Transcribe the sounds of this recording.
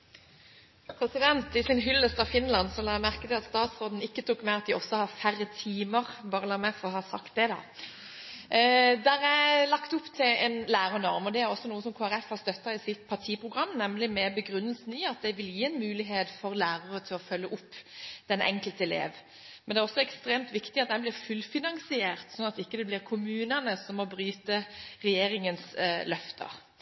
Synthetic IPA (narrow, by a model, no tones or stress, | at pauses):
pʰɾɛsɪd̪ɛnt̪ɪsɪnɦʏlːəst̪ɑfɪnlɑnsɔlɑːmæʁkəd̪ɛɑt̪st̪ɑːt̪sʁoːd̪n̩ɪkːət̪ʰukmæɪɑt̪d̪ɪʔɔsːɔhɑfæɾːət̪ʰiːməʁbɑːɾəlɑmɛfɔʁɔɦɑsɑ̰kt̪̚d̪ɛd̪ɑ̰ | d̪æɾæɪlɑkt̪ʊpːt̪ʰɪlɛnlæːɾənɔʁmɔd̪ɛæɾɔsːɔnuːəsɔmkʰoːæɾɛfhɑʁst̪œt̪ːɑɪsɪt̪pʰɑʁt̪ʰiːpʰʁʊɡʁɑmːnɛmlɪmɛbəɡɾʉnːəlsn̩ɪɑt̪̚d̪æɪʋɪljiːɛnmʉːlɪɦeːt̪fɔɾlæːɾəʁət̪ʰɪlɔfœlːəʔʊpːd̪̥ɛnʔɛ̰ŋkəlt̪ɛlḛːʋ | mɛnd̪ɛæɾɔsːɔɛkst̪ɾeːmt̪ʋɪkt̪ɪɑt̪̚d̪ɛnblɪʁfʉlfɪnɑŋsɪeːʁt̪sɔnɑt̪ɪkːəd̪ɛblɪʁkʰʊmʉːnənəsɔmːɔbɾyːt̪əʁɛjeːɾɪŋənslœft̪ʰə̰